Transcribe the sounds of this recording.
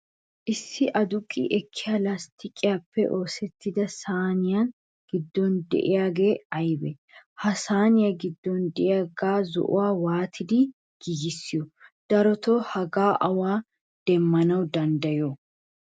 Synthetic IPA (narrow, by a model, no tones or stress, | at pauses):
ʔɪsːɪʔɐd̪ʊkʼːɪ̰ʔɛkʰːɪjaːlast̪ɪkʼːɪjaːpːɛʔo̞ːsɛt̪ːɪd̪ɐsaːnɪjan | ɡ̥ɪd̪ːɔnd̪ɛ̰ʔɪjaːɡe̞ːɐjbɛ̰ | hɐsaːnɪjaɡɪd̪ːɔnd̪ɛʔɪjaɡaːzɔ̰ʔʊ̰waːwaːt̪ʰɪd̪ɪ | ɡ̥ɪjɪsːɪjɔd̪̥ɐɾɔt̪ɔhɐɡaːʔɐwaː | d̪̥ɛmːɐnɐwd̪ɐnd̪ɐjɔ